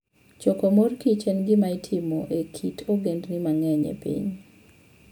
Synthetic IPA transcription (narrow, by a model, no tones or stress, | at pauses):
t͡ʃɔkomorkit͡ʃɛnɡɪmaitʰɪmoʔekʰitʰoɡendnɪmaŋɛɲɛ̰pḭɲ